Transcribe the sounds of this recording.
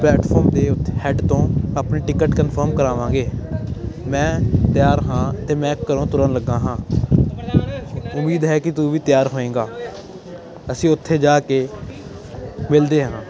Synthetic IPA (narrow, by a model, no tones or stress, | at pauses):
plɛːʈpʰɔːɾmd̪eːʊt̪ʰːhɛːɖt̪õːapneːʈɪkəʈkənpʰəɾmkəɾaːʋãːɡeː | mɛ̃ːt̪ɪjaːɾɦãːt̪eːmɛ̃ːkːəɾõːt̪ʊɾənləɡːãːɦãː | ʊmiːd̪ɦɛːkɪt̪uːʋiːt̪ɪjaːɾɦoːẽːɡaː | əsĩːʊt̪ʰːeːd͡ʒaːkeː | mɪld̪eːɦãː